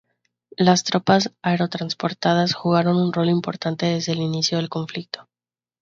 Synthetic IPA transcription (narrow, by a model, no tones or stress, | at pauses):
last̪ɾo̞pasaeɾo̞t̪ɾanspo̞ɾt̪að̞asxuɣ̞aɾo̞nunro̞limpo̞ɾt̪ant̪e̞ðe̞zðe̞ːlinisjo̞ð̞e̞lko̞ɱflik̚t̪o̞̥